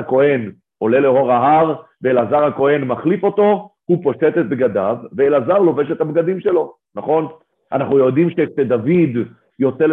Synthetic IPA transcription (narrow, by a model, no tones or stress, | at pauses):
ako̞he̞n | o̞le̞le̞ɦo̞ʁaɦaʁveelazaʁhako̞he̞nmaχlifo̞t̪o̞hupo̞ʃet̪et̪̚bɡad̪avːeelazaʁlo̞ve̞ʃet̪habɡad̪imʃe̞lo̞ | naχo̞n | ʔa̰naχnujo̞d̪imʃekʃed̪avid̪ | jo̞t͡sel